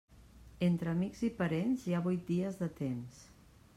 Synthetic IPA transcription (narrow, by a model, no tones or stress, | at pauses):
ent̪ɾəːmiɡzipəɾenziaβujt̪̚d̪iəzðət̪ems